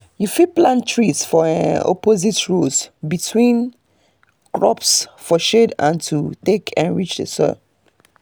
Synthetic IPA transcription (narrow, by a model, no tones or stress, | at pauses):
jufit̚plãntʰɹisfɔãno̰pozitɹusbitʰwĩn | kɹɔpsfɔʃedã̰ntʰutekʰãnɹit͡ʃdə̰sɔ̰